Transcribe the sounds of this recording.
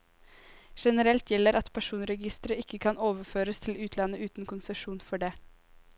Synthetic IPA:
ʂɛnəɾɛlt̪ʰjɛlːəɾɑt̪pʰæʂuːnɾɛɡɪst̪əɾəɪkːəkʰɑnoːʋəføːɾəst̪ʰɪlʉːt̪ʰlɑnəʔʉːt̪n̩kʰʊnsɛʂuːnfɔɖeː

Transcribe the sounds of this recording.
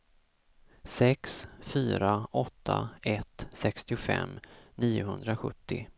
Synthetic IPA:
sɛksfyːɾaɔt̪ʰːaɛt̪sɛkst̪ɪʊfɛ̰mːniːʊɦɵnd̪ɾaɧɵt̪ʰːɪ

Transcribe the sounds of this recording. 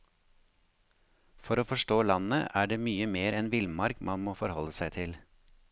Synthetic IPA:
fɔɾoːfɔʃʈoːlɑnəʔæːɖeːmyːəmeːɾɛnʋɪlmɑɾkmʔɑnmoːfɔɾhɔləsæɪt̪ʰɪl

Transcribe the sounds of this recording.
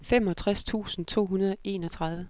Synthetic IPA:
fem̰ɒ̽t͡sʰʁast͡sʰṵːsn̩t͡sʰo̝̰ːɦunɐð̞ˠʔe̝ːnɒ̽t͡sʰʁɑ̈ð̞ˠʋə

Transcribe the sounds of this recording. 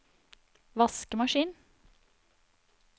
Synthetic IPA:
ʋɑskəmɑʃiːn

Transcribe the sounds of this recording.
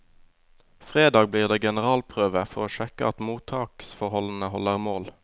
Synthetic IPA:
fʁeːd̪ɑːɡ̚bliːʁd̪eːɡɛnəʁɑːlpʰʁøːʋəfɔʁoːʃɛkə̰ʔɑt̪muːt̪ʰɑːksfɔʁhɔln̩əhɔləʁmoːl

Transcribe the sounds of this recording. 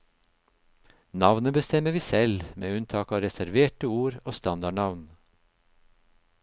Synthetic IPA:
nɑʋnəbəst̪ɛməʋiːsɛlmʔḛːʉnt̪ʰɑːkɑːʋɾɛsæɾʋeːʈəuːɾoːst̪ɑnd̪ɑɳɑʋn

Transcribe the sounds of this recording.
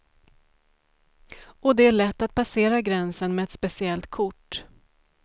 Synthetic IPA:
ɔd̪ɛæɭɛt̪ːat̪̚pʰaseːɾaɡɾɛnsənmɛɛt̪spɛsɪɛlt̪kʰʊʈː

